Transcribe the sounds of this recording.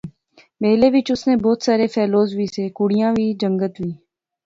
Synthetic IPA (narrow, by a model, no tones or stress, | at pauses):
meːleːʋɪt͡ʃʊsneːbɔːt̪saːɾeːfʰɛːloːzʋʱiːseːkʊɽijãːʋʱiːd͡ʒə̃ŋɡət̪liː